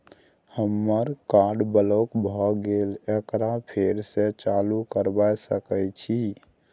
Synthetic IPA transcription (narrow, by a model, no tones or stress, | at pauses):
həmːəɾkaɾɖbəlokbʱɔɡelekɾapʰeɾset͡ʃalukəɾbajsəkɛt͡ʃʰi